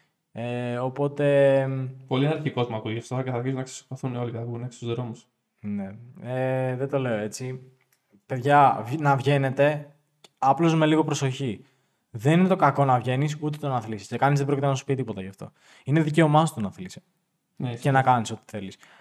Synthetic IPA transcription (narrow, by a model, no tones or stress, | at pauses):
eo̞po̞t̪e̞po̞liɐɾçiko̞zmɐkuʝɐft̪oceθɐɾçisunɐkse̥spoθuneo̞licθɐpɣuneksi̥t̪uzðɾo̞mus | ne̞eðet̪o̞le̞o̞e̞t͡si | pe̞ðʝɐnɐvʝe̞ne̞t̪e̞ | ɐplo̞zme̞liɣo̞pɾo̞so̞çi | ðeninet̪o̞kɐko̞nɐvʝe̞nisut̪̬et̪o̞nɐθlisi̥scekɐnizðebɾo̞cit̪enɐsu̥pit̪ipo̞t̪ɐʝɐft̪o̞̰ | ine̞ðice̞o̞mɐst̪onɐθlise | cenɐkɐniso̞t̪i̥θe̞lis